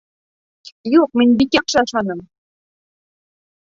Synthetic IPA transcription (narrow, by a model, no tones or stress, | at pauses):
juk̚mɘ̆nʲbikʲɑkʃɑɑʃɑnɤ̆m